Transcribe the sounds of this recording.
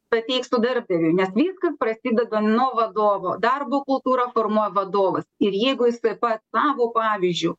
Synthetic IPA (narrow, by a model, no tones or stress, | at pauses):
pɐt̪ʲɛɪksʊd̪ɐɾb̚d̪ɐɾʲʊnʲɛsʋʲiːskɐsprɐsʲiːd̪ɛd̪ɐnuɔʋɐd̪oːʋoːd̪ɐrboːkʊlˠt̪uːɾɑfoːrmuɔjɛʋɐd̪oːʋɐsɪɾjɛɪɡʊjɪsɐɪpɐt̪sɑːʋoːpɑːʋʲɪzʲd͡ʒʲʊ